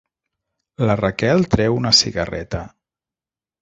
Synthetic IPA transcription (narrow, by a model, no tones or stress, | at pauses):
larakɛlˠt̪ɾɛwunəsiɣərɛ̰t̪ə